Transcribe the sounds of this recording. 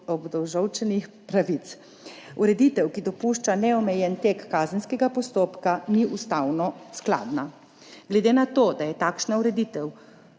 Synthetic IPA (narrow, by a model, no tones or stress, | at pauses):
ɔbd̪ɔwʒɔwt͡ʃɛnixpɾaʋit̪s | uɾɛd̪it̪ɛwkid̪ɔpuːʃt͡ʃanɛɔmɛjɛnt̪eːkːaːzənskɛɡapɔst̪oːpkaniʔust̪awnɔskla̰ːd̪na | ɡlɛd̪eːnat̪oːd̪ajɛt̪aːkʃnauɾɛd̪iːt̪ɛw